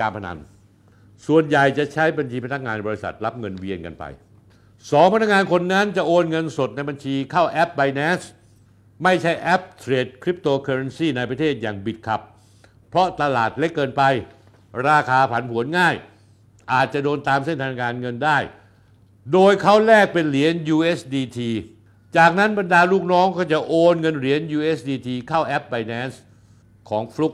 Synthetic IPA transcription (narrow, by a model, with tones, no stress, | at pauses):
aː˧mpʰa˧na̰˨˧˦n | su˨˩ənja˨˩jt͡ɕa˨˩ʔt͡ɕʰa˦˥jba˧nt͡ɕʰiː˧pʰa˥nʰa˥k̚ŋaː˧nbɔː˧i˧˥sa̰˨˩t̪̚la˦˥p̚ŋɤ˧nwi˧ənka̰˧npa̰˧j | sɔː˩˦ŋpʰa˧nʰa˥k̚ŋaː˧nkʰo˧nːa˦˥nt͡ɕa˨˩ʔoː˧nŋɤ˧nso˨˩t̪̚na˧jba˧nt͡ɕʰiː˧kʰaː˥˩wʔɛ˦˥p̚ba˧jnɛː˦˥s | ma˥˩jt͡ɕʰa˦˥˩jʔɛ˦˥p̚t̪ʰɾeː˧t̪̚kʰɾi˦˥p̚t̪oː˧kʰaː˧ɾa˧nsiː˥˩na˧jpɾa˧t̪ʰeː˥˩t̪̚jaː˨˩ŋbi˨˩t̪̚kʰa̰˨˩p̚ʰː | ɾɔ˦˥t̪a˧laː˨˩t̪̚le˦˥kːɤː˧npa˧j | ɾaː˧kʰaː˧pʰa˩˦npʰhu˩˦ənŋaː˥˩j | ʔaː˨˩t̪̚t͡ɕa˨˩doː˧nt̪aː˧mse˥˩nt̪ʰaː˧n˧kaː˧nŋɤ˧ndaː˥˩j | doː˧jkʰa˦˥˩wlɛː˥˩k̚pe˧nli˩˦ənjuː˧ʔe˦˥sdiː˧t̪ʰiː˧ | t͡ɕaː˨˩k̚na˦˥nba˧ndaː˧luː˥˩k̚nɔː˦˥ŋkɔː˥˩t͡ɕa˨˩ʔoː˧nŋɤ˧nɾi˨˩˦ənjuː˧ʔe˦˥sdiː˧t̪ʰiː˧kʰaː˥˩wʔɛ˦˥p̚ba˧jnɛː˦˥ns | kʰɔː˩˦ŋfɾu˦˥k̚